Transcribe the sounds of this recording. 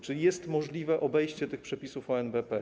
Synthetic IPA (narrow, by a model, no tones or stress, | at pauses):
t͡ʂɘlʲijɛst̪mɔʐlʲivɛʔɔbɛjɕt͡ɕɛt̪ɘxpʂɛpʲisufɔɛnbɛpɛ